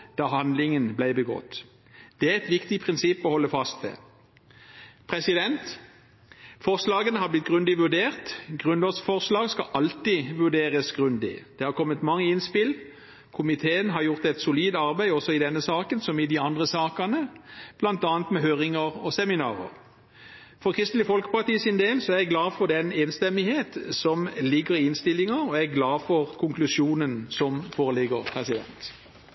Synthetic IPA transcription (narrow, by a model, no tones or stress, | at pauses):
d̪̥ɑːhɑnd̪lɪŋənblæɪbəɡɔ̰t̪ː | d̪̥ɛæɛt̪ʋɪkt̪ɪpʰʁɪnsɪpːɔhɔlːəfɑst̪ʋɛ̰ | pʰʁɛsɪd̪ɛnt̪ | fɔʁslɑːɡənəhɑblɪt̪̚ɡ̥ʁʉnd̪ɪʋʉɖeːʁt̪ɡʁʉnlɑːsfɔʁslɑːɡskɑʔɑlt̪iʋʉɖeːʁəsɡʁʉnd̪ɪ̰d̪̥ɛːhɑʁkʰɔmːət̪mɑŋːəɪnspɪl | kʰʊmɪt̪ʰeːənɦɑɾjʊʁt̪ɛt̪sʊliːd̪ɑɾbæɪɔsɔɪd̪ɛnːəsɑːkənsɔmɪd̪ɪɑnd̪ʁəsɑːkɑnəb̥lɑnt̪ɑːnt̪mɛɦøːʁɪŋəʁɔsɛmɪnɑ̰ːʁə̰ʁ | fɔʁkʰʁɪst̪lɪfɔlkə̥pɑʁt̪iːəsɪnd̪eːlsɔæɾʁjæɡlɑːfɔʁd̪ɛneːnst̪ɛmɪheːt̪sɔmlɪɡəʁɪɪnst̪ɪlːɪŋɑɔæɡlɑːfɔʁkʰʊŋklʉsjuːnənsɔmfoːʁəlɪɡəʁpʰʁɛsɪd̪ɛ̰nt̪